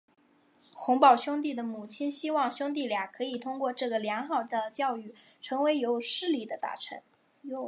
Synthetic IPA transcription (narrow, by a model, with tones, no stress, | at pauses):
xʊ˧˥ŋpɑ˨˩ʊɕjʊ˥ŋt̪̬i˥˩d̪ə˩mu˨˩t͡ɕʰi˥nɕi˥wɑ˥˩ŋɕʊ˥ŋt̪̬i˥˩ljɑ˨˩kʰɤ˧˥i˨˩t̪ʰʊ˥ŋkwɔ˥˧ʈ͡ʂɤ˥˩ɡə˩ljɑ˧˥ŋxɑ˥˩ʊd̪ə˩t͡ɕjɑ˥˧ʊy˥˩ʈ͡ʂʰɤ˧˥ŋwe˧˥ɪjo˧˥ʊʂɻ̩˥˩li˥˩d̪ə˩t̪a̰˥˩ʈ͡ʂʰə˧˥n | jo˧